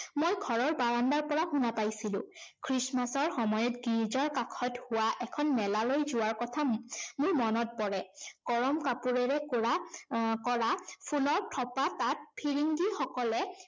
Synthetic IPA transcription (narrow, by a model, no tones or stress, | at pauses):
mojɡʱɔɹɔɹbaɹandaɹpɔɹahunapajsilʊ̰̃kʰɹismasɔɹxɔmɔjɔtɡiɹizɔɹkakʰɔthʊwaʔɛkʰɔnmɛlalojzʊwaɹkɔtʰamʊɹmɔnɔt̚pɔɹɛɡ̥ɔɹɔmkapuɹɛɹɛkɹakɔɹapʰulɔɹtʰɔpatat̚pʰiɹiŋɡixɔkɔlɛ